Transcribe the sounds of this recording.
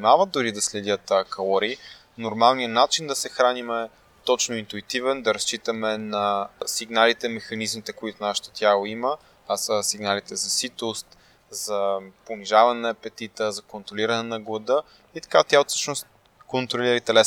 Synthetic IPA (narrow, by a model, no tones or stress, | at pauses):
imavət̪d̪ʊɾid̪ɐslɛd̪jət̪kɐlˠɔɾi | noɾmalˠnijənat͡ʃind̪ɐsɛxɾanimɛ | t̪ɔt͡ʃnoint̪uit̪ivɛnd̪ɐɾɐst͡ʃit̪əmɛnɐsiɡnalit̪ɛmɛxɐnizmit̪ɛkoit̪ʊnaʃə̥t̪o̥t̪ʲjalˠoimə | asəsiɡnalit̪ɛzɐsit̪ost̪ | zɐponiʒavɐnɛnɐpɛt̪it̪əzɐkont̪ɾoliɾɐnɛnɐɡlˠɐd̪ə | it̪ɐ̥kat̪jaosɤ̥ʃnost̪̚ | kont̪ɾoliɾəit̪ɛlɛs